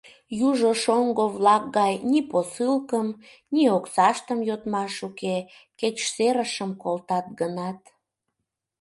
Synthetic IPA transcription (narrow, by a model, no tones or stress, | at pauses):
juʒoʃoŋɡoβlɑk̚ɡɑjniposɨlkəm | nioksɑʃt̪əmjot̪mɑʃuke | ket͡ɕseɾəʃəmkolt̪ɑt̪̚ɡənɑt̪